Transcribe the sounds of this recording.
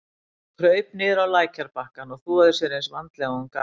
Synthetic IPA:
kʰɾœɥp̚nɪːðʏɾawlaːjcʰaɾpahkanɔɣθuaðʏsɛɾejnsvant̪lɛɣanka

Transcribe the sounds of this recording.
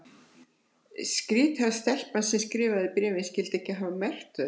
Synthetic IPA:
skɾiːt̪hast̪ɛl̥pnansɛmskɾɪːvaðɪpɾɛːvɪnscɪlt̪ɛhcːɪɦaːvamɛr̥t̪ʏ

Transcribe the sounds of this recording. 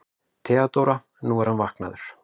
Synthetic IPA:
t̪ʰɛːat̪owɾa | nuvaɾhanvahkna̰ðʏɾ̥

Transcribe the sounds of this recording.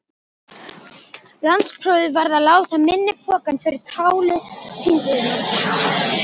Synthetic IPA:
lanspʰɾɔːwðɪvaɾðalaːwt̪amɪnːɪpʰɔːkanfɪɾɪɾ̥t̪ʰaːwlʏhʰiːvɪðnɪ

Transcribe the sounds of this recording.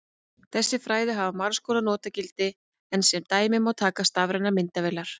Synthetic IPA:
θɛsːɪfɾaːjðɪɦavamaɾskɔːlanɔːt̪acɪlt̪ɪ | ɛnsɛmt̪aːjmɪmawt̪ʰaːkast̪avɾajnamɪnt̪avɛlaɾ̥

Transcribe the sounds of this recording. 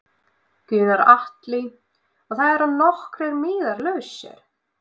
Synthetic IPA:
cʏːnaɾaht̪lɪ | ɔθaðɛɾanɔhkɾɛɾmɪːðaɾlœːɥsɛ̰ɾ̥

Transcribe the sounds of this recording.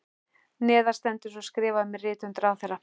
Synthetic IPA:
nɛːðḁst̪ɛnt̪ʏsɔskɾɪːvaʏmɪrɪːt̪ʏnt̪ɾawθɛrːa

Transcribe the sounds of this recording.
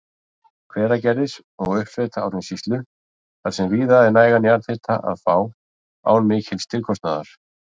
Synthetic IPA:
kʰvɛːɾacɛɾɪs | ɔɣʏhpfɛt̪ʰaːwɾɛnsist̪lʏ | θaɾ̥sɛmriːðaðɪnaːjɣanjaɾt̪θeht̪ʰa̰ʔa̰ðfaːw | a̰ːwnmɪːcʰɪlst̪ʰɪlkʰɔst̪naːðaɾ̥

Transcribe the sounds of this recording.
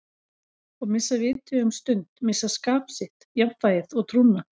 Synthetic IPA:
ɔɣmɪsavɪːt̪ʰœːɣʏmst̪ʏnt̪mɪsaskaːpsɪht̪japfaːjɪðɔɣt̪ʰɾunːa

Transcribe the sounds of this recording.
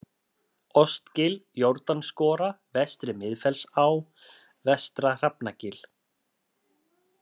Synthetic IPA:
ɔst̪cɪljowɾt̪anskɔːɾavɛst̪ɾɪmɪðfɛlsaw | vɛst̪ɾar̥apnacɪl̥

